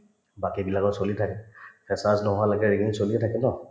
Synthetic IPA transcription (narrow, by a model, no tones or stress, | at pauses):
bakibilakɔsolitʰakɛpʰɛsasnɔɦʊwalaɡɛɹiɡiŋsoliɛtʰakɛnɔ